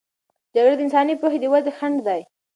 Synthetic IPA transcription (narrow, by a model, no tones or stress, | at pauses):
d͡ʒaɡɾad̪əɪnsɑnipɾoxed̪əwazexaɳɖd̪aj